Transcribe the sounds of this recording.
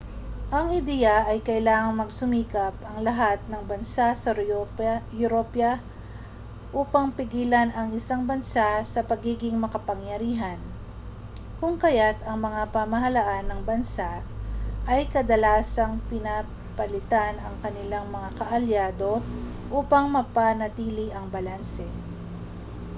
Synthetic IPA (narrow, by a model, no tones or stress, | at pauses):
ʔɐŋɪd̪ɛjɐʔɐjkɐʔɪlaːŋɐŋmɐɡsʊmiːkɐpɐŋlɐɦat̪̚nɐŋbɐnsasɐ | jʊɾopjɐ | ʔuːpɐŋpɪɡiːlɐnɐŋɪsaŋbɐnsasɐpɐɡiːɡɪŋmɐkɐpɐŋjɐɾiːɦɐn | kʊŋkɐjat̪ɐŋmɐŋapɐmɐɦɐlaʔanːɐŋbɐnsaʔʔɐjkɐd̪ɐlaːsɐŋpɪna | pɐlɪt̪anɐŋkɐnɪlaŋmɐŋakɐʔɐljaːd̪o̞ | ʔuːpɐŋmɐpanɐt̪iːlɪʔɐŋbɐlansɛ